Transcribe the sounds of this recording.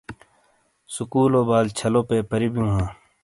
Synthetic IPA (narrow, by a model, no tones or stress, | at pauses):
sʊkuːloːbaːlt͡ʃʰəlõːpeːpəɾibijũːɦãː